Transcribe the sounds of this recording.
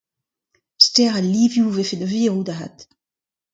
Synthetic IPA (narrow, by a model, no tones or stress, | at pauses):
stɛʁaliːvjuuvefed̪əviʁud̪aɦa̰t̪